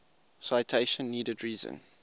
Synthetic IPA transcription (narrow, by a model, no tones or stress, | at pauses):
saɪtʰeɪʃə̃nːiːdədɹiːzə̰̃n